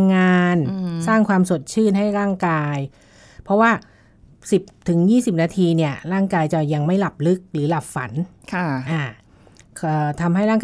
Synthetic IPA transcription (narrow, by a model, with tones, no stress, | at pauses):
ŋaː˧nsaː˥˩ŋkʰwaː˧msu˨˩ət̪̚t͡ɕʰɯː˥˩nɦa˥˩jɾaː˥˩ŋkaː˧j | pʰɾɔ˦˥waː˥˩ | si˨˩p̚t̪ʰɯ˩˦ŋjiː˥˩si˨˩p̚naː˧t̪ʰiː˧ni˥˩ɐɾaː˥˩ŋkaː˧jt͡ɕa˨˩ja˧ŋma˥˩jla˨˩p̚lɯ˦˥k̚ɾɯː˩˦la˨˩p̚fa̰˩˦n | kʰʔaː˧˩ | kʰəː˧˩t̪ʰa˧mɦa˥˩jɾaː˥˩